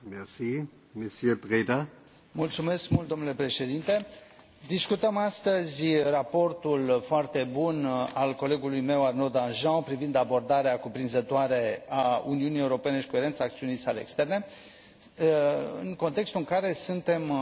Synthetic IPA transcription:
mɛʁsiː | mesjøpʁeda | mult̪sume̞skmult̪̚d̪o̞mnule̞pɾe̞ʃe̞d̪int̪e̞ | d̪iskut̪əmast̪əzʲrapo̞rt̪ulfoart̪e̞bunalko̞le̞ɡulujme̞warnod̪anʒãpɾivind̪abo̞rd̪aɾeakupɾinzət̪oaɾe̞aṵniunijeuɾo̞pe̞ne̞ʃi̥ko̞e̞ɾe̞nt̪saːkt̪siunijsaleḛːkst̪e̞rne̞ | ɨ̰ŋko̞nt̪e̞kst̪uɨŋkaɾe̞sunt̪e̞m

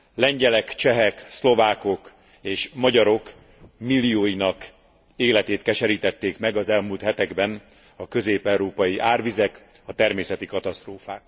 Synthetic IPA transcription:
lɛɲɟɛlɛkt͡ʃɛɦɛkslo̞vaːko̞k | eːʃmɒɟɒɾo̞k | milːijoːjinɒk | eːlɛt̪eːt̪kɛʃɛɾiːt̪ɛt̪ːeːkmɛɡɒzɛlmuːlt̪hɛt̪ɛɡbɛn | ɒkø̞zeːpɛuɾoːpɒjiʔaːrvizɛk | ɒt̪ɛrmeːsɛt̪ikɒt̪ɒst̪roːfaːk̚

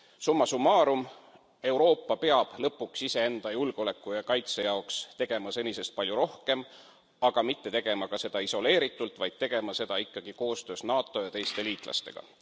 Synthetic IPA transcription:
sumːɑsumːɑːɾum | e̞uɾo̞ːpːɑpe̞ɑb̥lɤpːuksise̞e̞nd̪̥ɑjulɡ̥o̞le̞kˑːujɑkɑjt̪sejɑokst̪e̞ɡ̥e̞mɑse̞nʲise̞st̪̚pɑlʲjuɾo̞hke̞m | ɑɡ̥ɑmit̪ːe̞t̪e̞ɡ̥e̞mɑkɑse̞d̪ɑiso̞le̞ːɾit̪ːˑult̪vɑjd̪̥̚t̪e̞ɡ̥e̞mɑse̞d̪̥ɑikːɑɡ̥iko̞ːst̪ø̞ːsnɑːt̪ːˑo̞jɑt̪e̞jst̪e̞liːt̪ˑlɑ̰st̪e̞ɡ̥ɑ̰

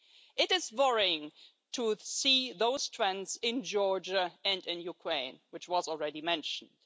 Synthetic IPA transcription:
ʔɪɾɪzwʌɹɪɪ̃ŋ | tʰusiðoʊz̥tʰɹ̥ɛ̃nzɪ̃nd͡ʒɔɹd͡ʒəɨ̃ndɪ̃njukʰɹ̥ẽɪ̃nwɨt͡ʃwʌzl̩ˠɹɛɾimɛ̃nʃn̩d̥

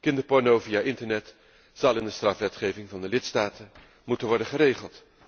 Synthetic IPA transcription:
kɪndəpɔɹnowvijaʔɪntəɹnɛt | z̥ɑlˠɪndəstrɑfʋɛtχejvɪŋvɑndəlɪtstaːtə | mutənʋɔɹdəχəɾejχəlˠt

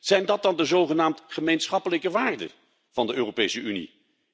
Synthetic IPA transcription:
z̥ɛjndɑt̚dɑndəzowχənaːmtχəmejnsχɑpələkəʋaːrdə̰ | v̥ɑndəʔøːropejsəynḭ

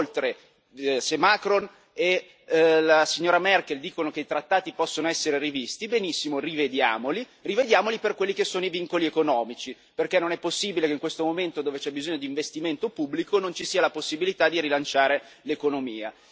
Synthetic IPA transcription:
olt̪ɾe | semakɾon | e | lasiɲːoːɾamɛrk̟eld̪iːkonokeit̪ɾat̪ːaːt̪ipɔsːonoɛsːeɾerivist̪ibenisːimorived̪jaːmoli | rived̪jaːmoliperkwelːikesːoːnoiviŋkoliekonɔːmit͡ʃi | perkɛnːonɛpːosːiːbilekeiŋkwest̪omoment̪od̪oːvet͡ʃɛbizoɲːod̪iɱvest̪iment̪opubːlikonont͡ʃisiːalaposːibilit̪ad̪iɾilant͡ʃaːɾe | lekonomiːa̰

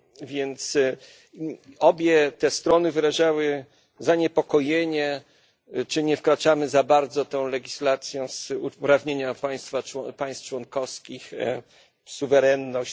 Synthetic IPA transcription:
vʲjɛnt̪s | ɔbʲjɛt̪ɛst̪ɾɔnɘvɘɾaʐawɘ | zaɲɛpɔkɔjeɲɛ | t͡ʂɘɲɛfkɾat͡ʂamɘzabaɾd̪zɔt̪ɛ̃w̃lɛɡʲislat̪sʲjɔzupɾavɲeɲapaj̃st̪fawɔpaj̃st̪t͡ʂwɔnkɔfskʲix | suvɛɾɛnːɔɕ

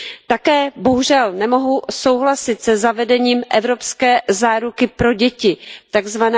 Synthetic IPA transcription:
t̪akɛːbo̞ɦuʒɛlnɛmo̞ɦuso̞wɦlasɪt̪sɛzavɛdɛɲiːmʔɛvɾo̞pskɛːzaːɾukɪpɾo̞ɟɛcɪt̪aɡzvanɛ

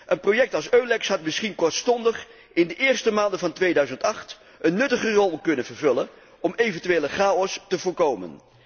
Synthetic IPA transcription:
ʔənprowjɛk̚tɑlˠsøɥlɛksɦɑtmɪsχinkɔɹtstɔndəχ | ɪndəʔɪːɹstəmaːndəvɑntʋejdœɥzəntɑχt | ənːɵtəχərɔlˠkɵnənvəɹvɵlən | ɔmejvɛntyʋeːləχaːɔstəvʊːɹkowmə̰n

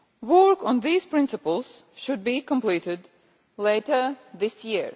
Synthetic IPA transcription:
wɔɹkɔ̃nðiːz̥pɹɪ̃nsɨpəlˠz̥ʃʊd̪̚bikə̃mpliːtɪd̪ | leɪtə˞ðɪsjiɹ

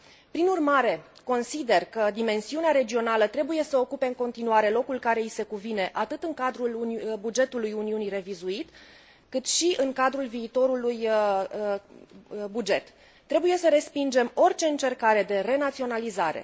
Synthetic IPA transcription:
pɾinurmaɾe̞ko̞nsid̪e̞rkəd̪ime̞nsiuneaɾe̞d͡ʒio̞nalət̪ɾe̞buje̞səo̞kupe̞ɨŋko̞nt̪inuaɾe̞lo̞kulkaɾe̞ise̞kuvine̞ʔat̪ɨt̪ɨŋkad̪ɾulbud͡ʒe̞t̪ulujuniunire̞vizuit̪ | kɨt̪ʃiʔɨŋkad̪ɾulviːt̪o̞ɾuluj | bud͡ʒe̞t̪ː | ɾe̞buje̞səɾe̞spind͡ʒe̞mo̞rʲt͡ʃe̞ɨnt͡ʃe̞rkaɾe̞d̪e̞re̞nat̪sio̞nalizaɾe̞̰

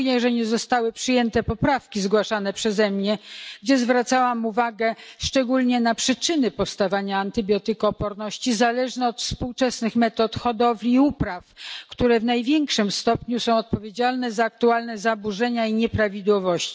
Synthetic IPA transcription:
ɲɛʐɛɲɛzɔst̪awɘpʂɘjɛnt̪ɛpɔpɾafkʲizɡwaʂanɛpʂɛzɛmɲɛɡd͡ʑɛzvɾat̪sawamuvaɡɛʂt͡ʂɛɡulɲɛnapʂɘt͡ʂɘnɘpɔfst̪avaɲaːnt̪ɘbʲjɔt̪ɘkɔpɔɾnɔɕt͡ɕizalɛʐnɛɔt̪fspuwt͡ʂɛsnɘxmɛt̪ɔt̪xɔd̪ɔvlʲiːupɾafkt̪uɾɛvnajvʲjɛŋkʂɘmst̪ɔpɲusɔ̃w̃ɔt̪̚pɔvʲjed͡ʑalnɛzaːk̚t̪ualnɛzabuʐɛɲaiɲɛpɾavʲid̪wɔvɔɕt͡ɕi̥

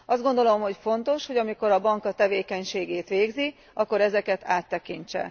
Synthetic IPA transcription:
ɒzd̪ɡo̞nd̪o̞lo̞mɦo̞cfo̞nt̪o̞ʃho̞ɟɒmiko̞ɾɒbɒŋkɒt̪ɛveːkɛɲʃeːɡeːt̪ʋeːɡzi | ʔɒkːo̞ɾɛzɛkɛt̪aːt̪ːɛkiɲt͡ʃɛ̰

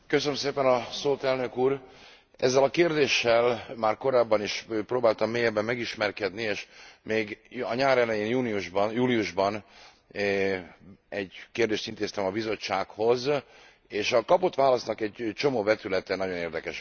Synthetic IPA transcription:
køsønømseːpɛnɒsoːt̪ɛlnø̞kuːr | ɛzːɛlɒkeːrd̪eːʃːɛlmaːrko̞ɾaːbːɒniʃproːbaːlt̪ɒmːeːjɛbːɛmːɛɡiʃmɛrkɛd̪nieːʃmeːɡɒɲaːɾɛlɛjeːnjuːniuʒbjuːliuʒbɒn | ɛɟkeːrd̪eːʃt̪int̪eːst̪ɛmɒbizo̞t͡ʃːaːkho̞z | eːʃɒkɒpo̞t̪ʋaːlɒsnɒkɛɟt͡ʃo̞moːvɛt̪ylɛt̪ɛnɒɟo̞neːrd̪ɛkɛʃ

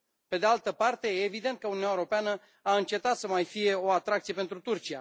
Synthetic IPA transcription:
pe̞d̪ealt̪əpart̪e̞jeːvid̪e̞nt̪kəunuaeɾo̞peanə | aɨnt͡ʃe̞t̪at̪səmajfije̞o̞at̪ɾak̚t̪sije̞pe̞nt̪ɾut̪urt͡ʃija̰

